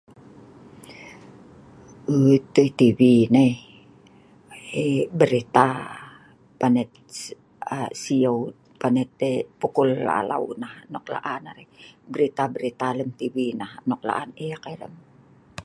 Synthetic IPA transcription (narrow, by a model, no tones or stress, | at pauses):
ət̪əit̪iwinai | ebəɾit̪a | panet̪̚ | əsiəw | panet̪̚epukulːa̰la̰ṵnahnokla̰ʔanaɾebəɾit̪abəɾit̪aləmt̪iwinahnok̚la̰ʔaneakailə̰m